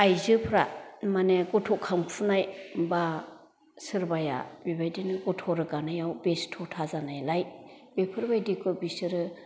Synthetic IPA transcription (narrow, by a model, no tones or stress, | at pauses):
ajzɯpʰɾamaneɡɔtʰɔkʰampʰunajba | sɯɾbaja̰bibajdinɯɡɔtʰɔɾɯɡanajawbestʰɔtʰazanajlaj | b̥epʰɯɾbajdikʰɯbisɯɾɯ